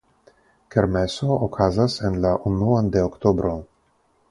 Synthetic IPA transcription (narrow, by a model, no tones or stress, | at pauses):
keɾmesookʰazasenlaʔunuand̪eokt̪obɾo